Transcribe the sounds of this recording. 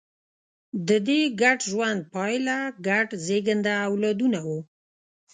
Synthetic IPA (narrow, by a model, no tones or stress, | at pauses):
d̪əd̪eɡaɖʒwand̪̚pɑjlaɡaʈzeɡənd̪aːwlɑd̪unawu